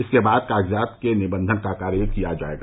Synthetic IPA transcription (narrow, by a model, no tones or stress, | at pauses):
ɪskebaːd̪̚kaːɡzaːt̪kenɪbə̃nd̪ʱənkakaːɾjəəkijad͡ʒa̰ːḛːɡa̰ː